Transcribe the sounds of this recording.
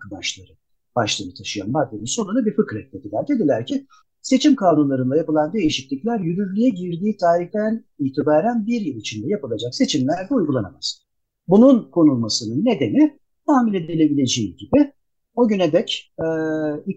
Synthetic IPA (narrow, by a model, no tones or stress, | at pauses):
kad̪a̰ʃlˠa̰ɾɯ | b̥aʃlˠanɯt̪ʰaʃɯja̰nbad̪eminso̞nunabiɾfɯkɾɛt̪̚d̪e̞d̪ilʲæɾd̪e̞d̪ilʲæɾcʰɪ | se̞t͡ʃʰimkʰaːnunlˠaɾɯnd̪ˠajapɯlˠand̪e̞jiʃiclʲiclʲæɾjyɾyɾlʲyjɛɟiɾd̪iːt̪ʰaːɾiht̪æn | iːt̪ʰibaːɾænbiɾjilˠit͡ʃʰind̪ɛjapɯlˠad͡ʒakse̞t͡ʃʰimlʲæɾd̪ɛujɡulˠana̰ma̰z̥ | bununkʰo̞nulˠmasɯnɯnːe̞d̪e̞ni | t̪ʰaːmilʲed̪elʲe̞bilʲe̞d͡ʒejiɟibɪ | o̞ɟyned̪ɛcɛ